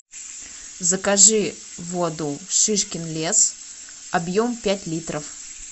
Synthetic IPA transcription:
zəkɐʐɨ | vod̪ʊʂɨʂkʲɪnlʲe̞s | ɐbjo̞mpʲætʲlʲit̪ɾəf

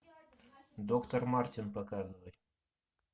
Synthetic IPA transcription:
d̪okt̪ormɑrt̪ʲinpɐkɑzɨvəj

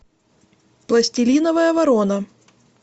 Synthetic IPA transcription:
plˠɐsʲtʲɪlʲinɐvɐjɐvɐɾonɐ

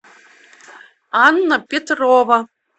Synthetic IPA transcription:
ɑnːɤ̆pʲet̪rovə̆

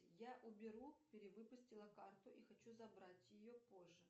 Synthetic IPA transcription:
jaʔʊbʲɪɾupʲɪɾʲɪvɨpʊsʲtʲɪlˠəkart̪ʊʔixɐt͡ɕuzɐbɾatʲjɪjopo̞ʐːɨ

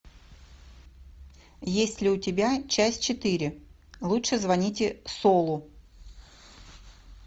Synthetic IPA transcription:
jesʲtʲlʲɪʊtʲɪbʲat͡ɕæsʲt̚ʲt͡ɕɪt̪ɨɾʲɪ | lˠutʂɨzvɐnʲitʲɪsolˠʊ

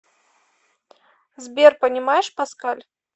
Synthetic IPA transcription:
zʲbʲɛrpɐnʲimajɛʂpaskalʲ

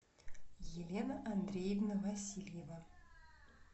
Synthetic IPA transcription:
jelʲenəʔand̪rʲejevnəvasʲilʲjeva

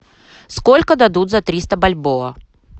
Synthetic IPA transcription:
skolʲkəd̪ɐd̪ut̪zɐt̪ɾʲist̪əbɐlʲboɐ

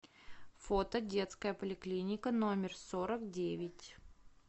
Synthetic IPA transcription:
fo̞t̪ədʲe̞t̪skəjəpəlʲɪklʲinʲɪkənomʲɪrsoɾəkdʲevʲɪtʲ

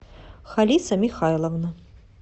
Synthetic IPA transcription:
xalʲit̪sɐmʲixajlˠɐvnɐ

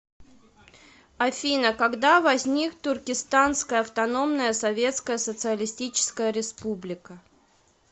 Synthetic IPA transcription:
ɐfʲinəkɐɡd̪avɐzʲnʲikt̪ʊrkʲɪst̪anskəjəɐft̪ɐno̞mnəjəsɐvʲe̞t̪skəjəsət̪sɨəlʲɪsʲtʲit͡ɕɪ̥skəjəɾʲɪspublʲɪkə

